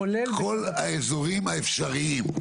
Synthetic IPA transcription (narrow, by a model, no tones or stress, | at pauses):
kʰolaezoʁimhaefʃaʁiim